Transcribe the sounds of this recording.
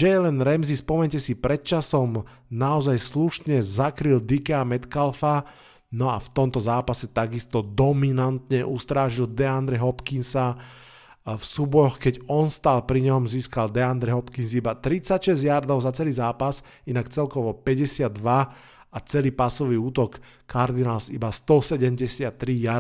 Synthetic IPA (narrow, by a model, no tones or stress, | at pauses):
ʒɛjɛlɛnɾɛmzispɔmɛɲcɛsipɾɛt̪̚t͡ʃasɔm | naɔzajsluʃɲɛzakɾild̪ikɛamɛt̪kalfa | nɔa̰ft̪ɔmt̪ɔzaːpasɛt̪aɡist̪ɔd̪ɔminant̪ɲɛʔust̪ɾaːʒild̪ɛand̪ɾɛɦɔpkinsa | fsuːbɔɾɔxkɛɟɔnst̪aːlpɾiɲɛɦɔmziːskald̪ɛand̪ɾɛɦɔpkinsibat̪ɾit͡sacʃɛzjaɾd̪ɔʊzat͡sɛliːzaːpas | inakt͡sɛlkɔʋɔpɛɟɛsɪad̪ʋa | at͡sɛliːpasɔʋiuːt̪ɔkː | aɾd̪inaːlsḭbast̪ɔsɛɟɛmɟɛsɪat̪ːɾija